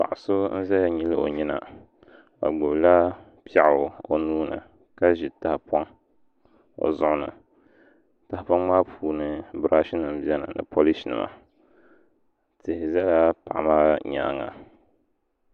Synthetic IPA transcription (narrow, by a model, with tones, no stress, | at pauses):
pa̰˨ʔa˨so˦n̩˦zɛ˦ja˨ɲi˦lɨ˦o̰˨ɲi˦na̰˨ | a̰˨ɡ͡bʊ˨bla˦ | pi˦ɛ˨ʔo˨nuː˦nɨ̰˨ | ka˦ʒi˨ta˨hpɔ˦ŋ | o̰˨zʊ˦ʔʊ˦nɨ̰˨ | ta˨hɪ˦pa˦ŋmaː˦pʰuː˨nɨ˨bɾʔa˦ʃi˦nɨ˨m˦bjɛ˦nɨ̰˨nɨ̰˨pʰo˦li˦ʃnɨ̰˨ma̰˨ | tɨ˨hɪ˨zɛ˦la˦pa˨ʔa˨maː˦ɲa̰˨ŋa̰˨